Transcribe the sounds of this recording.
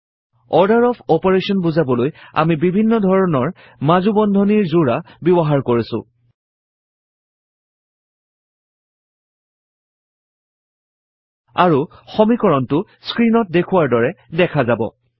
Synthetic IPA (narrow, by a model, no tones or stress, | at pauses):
ɔɹdaɹɔpʰɔpɔɹesɔnbuzabɔloja̰mibibʱinːɔdʱɔɹɔnɔɹ | mazubɔndʱɔniɹzuɹabibɔɦaɹkoɹisʊ̰̃ | a̰ɹuxɔmikɔɹɔntʊ | skɹinɔt̚dekʰʊwaɹdɔɹɛdɛkʰazabɔ̰